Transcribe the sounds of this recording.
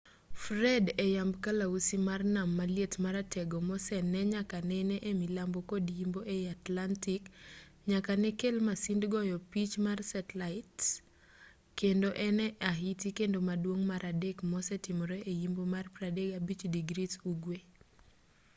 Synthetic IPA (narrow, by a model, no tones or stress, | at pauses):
fɾɛdɛjambkalausimarnamːaljetmaɾatʰɛɡɔmɔsɛnɛɲakanɛnɛʔemilambokodjimboʔeatlantik | ɲakanɛkelmasindɡɔjɔpit͡ʃmarsɛtlaɪt | kːendoʔɛnɛʔaɦitikendomadwoŋmaɾʔadekmɔsɛtɪmɾeʔejimbomarpɾadeɡabit͡ʃdiɡɾituɡwe